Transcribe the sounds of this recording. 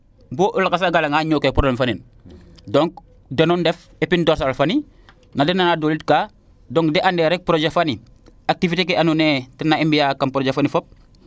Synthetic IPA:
boʔulakas̬aɡalaŋaɲoːkepɾoblemfanin | doŋk̚ | denondef | epindoːɾsalfani | nadenːanadoːlit̚kaː | doŋkdeʔandeːɾek̚pɾod͡ʒefani | ak̚tifitekeʔanuneːtɛnaembijakːampɾod͡ʒefanifop̚

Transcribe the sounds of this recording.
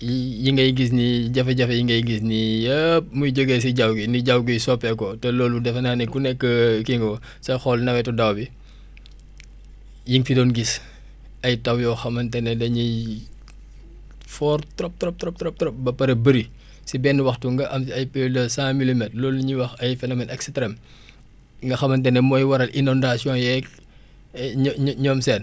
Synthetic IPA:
jijiŋɡɐjɡis̬niɟɐfɐɟɐfɐjiŋɡɐjɡisnijəp̚mujɟoɡɛs̬iɟɐwɡiniɟawɡijsɔpːɛkɔtɛlɔːludɛfɐnaːnɛkunɛkːəkiŋɡɔ | sɐjxɔlnɐwɛtɔdɐwbi | jiŋfidɔːnɡis | ɐjtɐwjɔːxɐmɐntɛnɛdɐɲi | fɔːrtɾɔp̚tɾɔp̚ɾɔp̚tɾɔp̚tɾɔp̚bɐpːɐɾɐbəɾi | sibɛːnːwɐxtuŋɡɐʔɐmsɐjpɛdɐsãːmilimɛtlɔːlːuɲiwɐxɐjfɛnoːmɛnʔɛkstɾɛm | ŋɡɐxɐmːɐntɛnɛmɔːjwɐɾɐlinɔndasjɔ̃jɛk | ɲɲɔːmsɛːn

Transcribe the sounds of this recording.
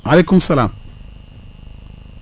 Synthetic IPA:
ʔɐlekːumsɐlaːm

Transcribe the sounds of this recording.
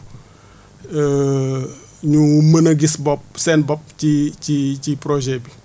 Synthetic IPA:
ə | ɲumənɐɡisbɔp̚sɛnbɔp̚cicicipɾɔʒɛbi

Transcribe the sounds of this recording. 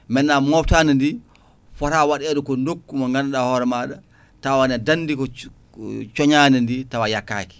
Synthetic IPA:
mɛnːamɔftanandi | fɔɾawaɗɛɗukɔndokːumɔŋɡanaɗahɔɾɛmaɗa | tawanɛdanːdikɔ | t͡ʃɔɲanɛnditawajakːa̰ki̥

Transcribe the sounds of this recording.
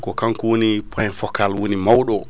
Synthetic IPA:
kɔkaŋkwonipʰajnfɔkalwonimawɗɔ

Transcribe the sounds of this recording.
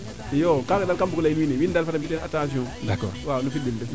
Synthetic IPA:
jokakadalkambukulainwinewindalfatambitenatãs̬iõdakɔ̰ɾwanufidildə

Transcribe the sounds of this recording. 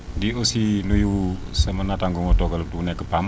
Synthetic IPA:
diosinujusəmənat̪aŋɡuŋot̪okalot̪unakəpam

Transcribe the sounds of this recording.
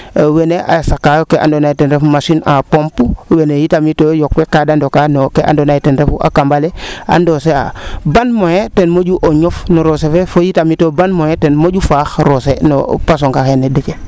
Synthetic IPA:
weneʔa̰sakːajokeʔa̰ndonaitenɾefmaʃinapompuwenejitamitojok̚fekadandokanokːeʔa̰ndonaitenɾefuʔa̰kambalea̰ndosea̰banmojetenmoɟuʔoɲofnoɾosefefojitamitobanmojetenmoɟufaxɾoseno̰pas̬oŋkaxenedike

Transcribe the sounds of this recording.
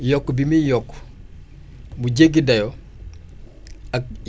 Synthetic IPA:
jɔkːbimijɔkː | bud͡ʒeɡidɐjɔ | ak

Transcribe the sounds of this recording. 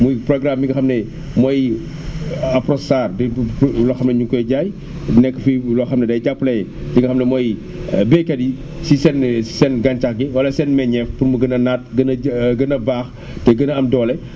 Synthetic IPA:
mujprɔɡɾamjiŋɡɐxɐmnɛ | mɔj | aprɔsaːrdɐjlɔxɐmnɐɲukɔjɟaj | nɛkːəfilɔxɐmnɐdɐjɟapːlɐdiŋɡɐxɐmnɐmɔj | bɛkɐdi | sisɛnsɛnɡant͡ʃɐxɡiwɐlɐsɛnmɛɲɛfpunmuɡənɐnat̚ɡənɐɡənɐbaːx | tɛɡənɐɐmdɔːlɛ

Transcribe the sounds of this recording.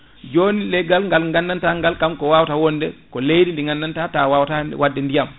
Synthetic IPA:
d͡ʒoːnilɛɡalŋɡalŋɡanːantaŋɡalkamkɔwawtawɔndɛkɔlejdindiŋɡanːantatawawtawadːɛndijam

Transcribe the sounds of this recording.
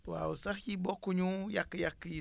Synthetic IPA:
wa̰usaxibɔkuɲũjakɨjakɨji

